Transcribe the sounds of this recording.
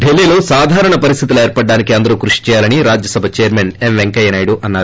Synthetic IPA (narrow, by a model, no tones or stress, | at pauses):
ɖelːiːlo̞ːsaːd̪ʱaːɾɐɳɐpɐɾist̪ʰit̪ulueːɾpɐɖːaːnikiɐnd̪ɐɾuːkɾuʂi̥t͡ʃɛːjaːlɐniɾaːd͡ʒjɐsɐbʱɐt͡ʃejːɐɾmenemʋeŋkɐjɐnɐːjɽuʔɐnːaːɾu